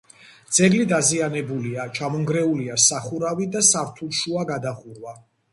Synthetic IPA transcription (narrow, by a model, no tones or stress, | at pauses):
d̪z̥ɛɡlid̪azianɛbuliat͡ʃʰamɔŋɡɾɛuliasaχuɾavid̪asaɾt̪ʰulˠʃuaɡad̪aχuɾwa